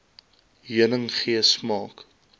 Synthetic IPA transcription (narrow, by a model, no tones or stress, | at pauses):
ɦiənəŋχiəsmɑːk